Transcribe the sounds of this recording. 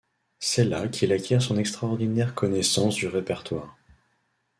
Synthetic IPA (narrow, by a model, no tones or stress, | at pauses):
sɛlakʲʰilakʲjɛʁsɔ̃nɛkst̪χaɔʁd̪inɛʁkʰɔnɛsɑ̃sd̪yʁepɛʁt̪waːʁ